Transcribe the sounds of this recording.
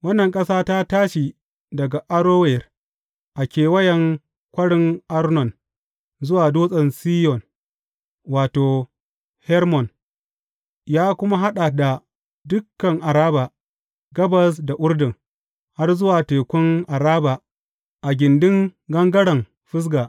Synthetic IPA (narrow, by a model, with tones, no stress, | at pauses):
wɐ˦nːɐ˨ŋkʼɐ˦saː˦ta˦taː˦ʃi˨ | dɐ˨ɡa˨ʔa˦ɾoː˦wɛ˨r | ʔa˨kʲeː˨wɐ˦jɐ˨ŋ | kʷɐ˦ɽɪ˦ŋʔa˦ɾnɔ˨n | zʊ˦waː˨doː˦sʼɐ˨nsiː˦jɔ˨n | waː˨toː˨ | hɛ˦ɾmɔ˨n | jaː˦kʷʊ˦ma˦ɦa˦ɗa˨da˨ | dʊ˦kːɐ˨ŋʔa˨ɾaː˦ba˨ | ɡɐ˦bɐ˨s̬da˨ʔʊ˦ɽdɪ˨ŋ | ha˦rzʊ˦waː˨teː˨kʷʊ˦ŋʔa˨ɾaː˦ba˨ | ʔa˨ɡʲɪ˨ndɪ˦ŋɡɐ˦ŋɡɐ˦ɽɐ˨m | ɸɪ˦s̬ɡaː˨ʔ